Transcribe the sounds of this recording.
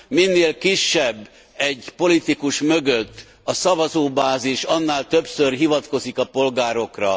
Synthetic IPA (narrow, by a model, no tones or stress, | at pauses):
minːeːlkiʃːɛbː | ɛɟpo̞lit̪ikuʃmø̞ɡøt̪ː | ɒsɒvɒzoːbaːziʃɒnːaːlt̪ø̞psørɦivɒt̪ko̞zikɒpo̞lɡaːɾo̞krɒ̰